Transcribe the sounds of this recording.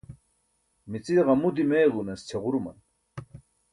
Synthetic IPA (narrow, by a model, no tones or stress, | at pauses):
mit͡sʼiʁɑmud̪imejɣunest͡ɕʰeʁuɾumɐ̰n